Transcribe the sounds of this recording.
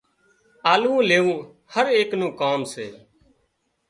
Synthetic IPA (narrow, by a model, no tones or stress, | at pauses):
aːlũːleːũː | həɾeːknũːkaːmsḛː